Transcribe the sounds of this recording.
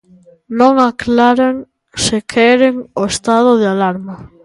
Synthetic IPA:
nõŋaklaɾaŋ | sɪkʰɛɾeŋoest̪að̞oðɪalaɾma

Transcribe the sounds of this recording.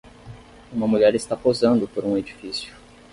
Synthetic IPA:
ũmɐmuʎɛɾɪst̪apozɐ̃nd̪ʊpoɾũed͡ʒifisjʊ

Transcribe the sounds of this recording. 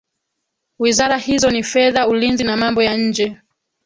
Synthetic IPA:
wizaɾahizɔnifɛðaulinzinamambɔjaɲ̩d͡ʒɛ

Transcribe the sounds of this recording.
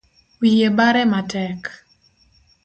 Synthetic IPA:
wijebaɾɛmatɛk

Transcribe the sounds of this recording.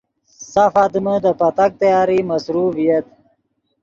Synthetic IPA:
safaːd̪məd̪əpɐt̪ak̚t̪ajaːɾimɐsɾuvijat̪̚

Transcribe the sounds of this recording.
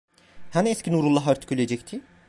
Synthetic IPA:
hanɛskʲcʰinuɾulˠːaɦaɾt̪ʰi̥kʰʲylʲed͡ʒɛc̚t̪ʰi

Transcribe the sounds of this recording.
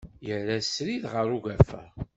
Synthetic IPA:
jəɾæsɾiðʁəɾuʝæfə̰

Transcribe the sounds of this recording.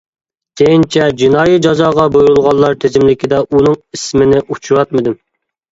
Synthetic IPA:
sejint͡ʃʰɛd͡ʒinɑːjid͡ʒɑzɑːʁɑbojuɾulˠʁɑlˠːɑɾt̪ʰezɪmlɪkʲid̪ɛʔunɨŋismɪnɪʔut͡ʃʰuɾɑt̪mɨd̪ɪm

